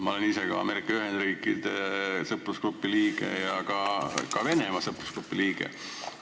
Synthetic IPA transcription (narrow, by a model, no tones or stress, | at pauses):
mɑo̞leniseɡɑɑ̰me̞ɾikːˑɑyɦend̪riːkːˑid̪̥esɤpːˑrusklupːiliːɡ̥e̞jɑkɑkɑve̞ne̞mɑsɤpːrusklupːˑiliːɡ̥ḛ